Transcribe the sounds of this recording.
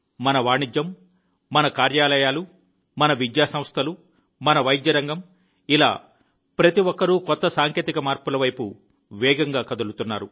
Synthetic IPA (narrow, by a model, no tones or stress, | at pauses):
mɐnɐʋaːɳid͡ʒjɐmː | ɐnɐkaːɾjaːlɐjaːlu | mɐnɐʋid̪jaːsɐ̃m̃st̪ʰɐlu | mɐnɐʋɐjd̪jɐɾɐŋɡɐm | ila̰ː | pɾɐt̪iʋɔkːɐɾukɔt̪ːɐsaːŋkeːt̪ikɐmaːɾpulɐʋɐjpu | ʋɛːɡɐŋɡaːkɐd̪ulut̪unːaːɾu